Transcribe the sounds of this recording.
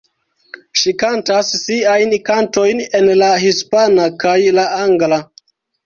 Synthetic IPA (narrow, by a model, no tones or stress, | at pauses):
ʃikantasːiajnkanto̞jne̞nlaɦispanakajlaaŋɡla